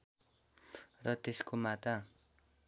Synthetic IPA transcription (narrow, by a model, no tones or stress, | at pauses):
rʌt̪eskomat̪a